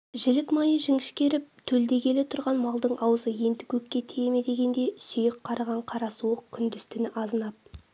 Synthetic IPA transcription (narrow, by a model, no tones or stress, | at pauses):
ʒɪlɪkmɑjəʒɪŋɪʃkʲe̞ɾɪp̚t̪ʰɵld̪e̞kʲe̞le̞t̪ʰʊɾʁɑnmɑlˠd̪əɴʔɑwəzəje̞nt̪ɪ̥kʲʰɵkʲːe̞t̪ʰejeme̞d̪e̞ɡʲe̞nd̪e̞sʏjɪqqʰːɑɾɑʁɑɴqʰɑɾɑsuəq̚kʲʰʏnd̪ɪst̪ɪnɪʔɑzənɑp̚